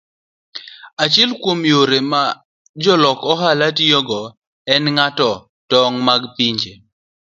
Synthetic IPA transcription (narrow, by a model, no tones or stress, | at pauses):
at͡ʃɪɛlkwomjoɾema | d͡ʒɔlɔkɔɦalatjɔɡɔ | ɛnŋatɔ | tɔŋmaɡpiɲd͡ʒe